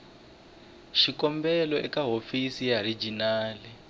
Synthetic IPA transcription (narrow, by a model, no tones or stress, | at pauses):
ʃikɔmbɛlɔɛkaɦofisijaɾid͡ʒinaːli